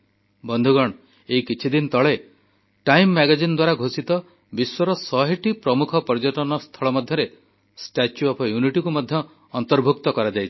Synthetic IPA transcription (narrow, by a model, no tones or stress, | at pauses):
bɔnd̪ʱuɡɔɽ̃ɔ | eikit͡ʃʰid̪int̪ɔɭe | ʈajmːaɡad͡ʒinɔd̪waɾaɡʱosit̪ɔ | biswɔɾɔsɔɦiʈipɾɔmukʰɔpɔɾd͡ʒɔʈɔnɔst̪ʰɔɭɔmɔd̪ʱjɔɾe | sʈat͡ʃuɔpʰɔjuniʈikumɔd̪ʱjɔː | nt̪ɔɾbʱukt̪ɔkɔɾad͡ʒajt͡ʃʰi̥